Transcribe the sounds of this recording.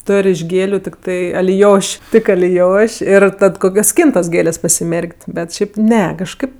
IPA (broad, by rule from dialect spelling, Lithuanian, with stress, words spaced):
ˈtoːrʲ ɪʃ ˈɡʲeːlʲʊ tʲɪkˈtɐɪ ɐlʲɪˈjoːʃʲ ˈtʲɪk ɐlʲɪˈjoːʃʲ ɪr ˈtɐt ˈkoːkʲoːs ˈsʲkʲiːntoːs ˈɡʲeːlʲeːsʲ pɐsʲɪˈmʲɛrʲkʲtʲ bʲɛt ˈʃʲɛɪp ˈnʲɛ kɐʃˈkɐɪp